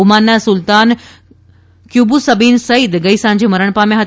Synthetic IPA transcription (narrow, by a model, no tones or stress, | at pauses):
umanːasʊlt̪aːn | kjuːbusɐbiːnsɐid̪ɡɐisãːɲd͡ʑimɐɾəɽ̃pamẽɦɐ